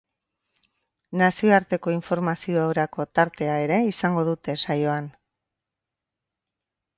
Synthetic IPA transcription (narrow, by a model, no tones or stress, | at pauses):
nasioaɾt̪e̞ko̞iɱfo̞ɾmasio̞awɾako̞t̪aɾt̪e̞ae̞ɾe̞isaŋɡo̞ðut̪e̞sajo̞an